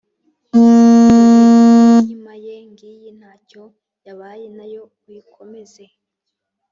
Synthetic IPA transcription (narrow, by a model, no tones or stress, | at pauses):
ɲimajeŋɡiːjen̥haːco̞ | jaβaːjenajo̞ | wikʰo̞me̞ze